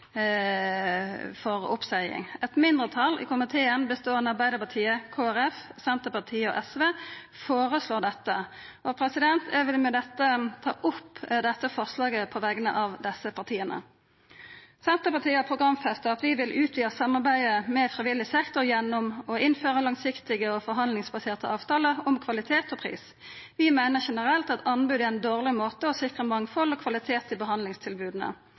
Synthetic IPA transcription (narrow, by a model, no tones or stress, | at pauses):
fɔʁʊ̰psæɪɪ̰ŋɛt̪mɪnd̪ʁət̪ʰɑlɪ̰kʊmɪt̪ʰeːənbəst̪oːɾɛnɑɾbæɪd̪əɾpɑt̪ʰiːəkʰoːæɾɛfsɛnt̪əpɑʁt̪ʰiːəɔ̰ʔɛsʋeː | foːɾəsloːd̪ɛt̪ːə | ʔɔpʰɾɛsɪd̪ɛnt̪ʰɛʋɪlmɛd̪ɛt̪ːət̪ʰɑ̰ːʔʊpːd̪ɛt̪ːəfɑʁslɑːɡəpʰɔʋæɡənə̰ʔɑʋd̪ɛsəpɑʁt̪ʰiːənə̰ | sɛnt̪əpɑt̪ʰiːəɑpʰʁʊɡʁɑmfɛst̪əɑt̪ʋɪʋɪlʔʉːt̪ʰʋiːəsɑmːɑʁbæɪəmɛfʁɪʋɪlːɪsɛkt̪ʊɾjɛnːɔmɔɪnføːʁəlɑŋsɪkt̪ɪɡəɔfɔɾɦɑnd̪lɪŋsbɑseːʁt̪əʔɑːʋt̪ʰɑːləɔmkʰʋɑlɪt̪ʰeːt̪ɔpʰʁḭːs | ʋɪmæɪnəʁʃɛnəʁɛlt̪ɑt̪ʰɑnbʉːd̪əæɪnd̪oːʁlɪmoːt̪əɔsɪkʁəmɑŋfɔlɔkʰʋɑlɪt̪ʰeːt̪ɪbəɦɑnd̪lɪŋst̪ʰɪlbʉːd̪ənə̰